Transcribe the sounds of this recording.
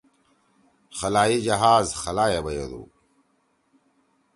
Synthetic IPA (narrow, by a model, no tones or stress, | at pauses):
xɐlaːjid͡ʑɐɦaːzxɐlaːjebɐjḛd̪ṵː